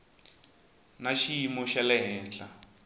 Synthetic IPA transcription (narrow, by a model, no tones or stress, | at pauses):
naʃiimuʃalɛɦɛːnt͡ɬʼa